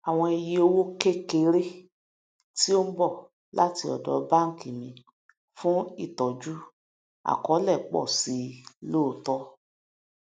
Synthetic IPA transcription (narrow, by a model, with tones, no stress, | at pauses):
a˨w̃ɔ̃˧e˧jie˧o˧wo˦ke˦ke˧˦ɾe˦ | ti˦o˦m̩˦bɔ˦˨ | la̰˦ti˧ɔ̰˨dɔ˨ba˦˨ŋ̩˨ki˨mĩ˧ | fũ˦i˦˨tɔ˨d͡ʒu˦ | a̰˨kɔ˨˦lɛ˦˨k͡pɔ̰˦˨si˨˦lo˦˨tɔ˦